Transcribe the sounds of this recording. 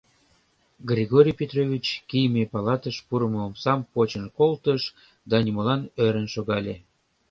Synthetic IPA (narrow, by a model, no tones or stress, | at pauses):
ɡrʲeɣoɾʲijpʲet̪rovʲit͡ɕkijmepɑlɑt̪əʃpuɾəmoomsɑmpot͡ɕənkolt̪əʃ | d̪ɑnʲiməlɑnøɾənʃoɣɑlʲe